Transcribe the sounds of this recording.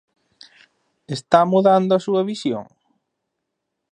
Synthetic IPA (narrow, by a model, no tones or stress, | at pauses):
est̪amuðand̪ʊɐsuɐβisjo̰ŋ